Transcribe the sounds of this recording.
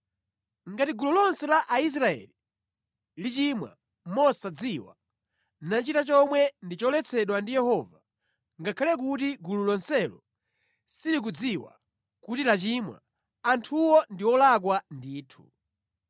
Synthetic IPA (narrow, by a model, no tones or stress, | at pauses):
ŋɡatiɡululɔnsɛlaʔais̬ɾaɛ̰li | lit͡ʃimwa̰ | mɔsad͡ziwa̰ | nat͡ʃitat͡ʃɔmwɛndit͡ʃɔlɛt͡sʰɛɗwandijɛhɔva | ŋɡakʰalɛk̬utiɡululɔnsɛlɔ | silik̬ud͡ziwa̰ | kutilat͡ʃimwa̰ | antʰuwɔndiwɔlak̬wandiːtʰu̥̰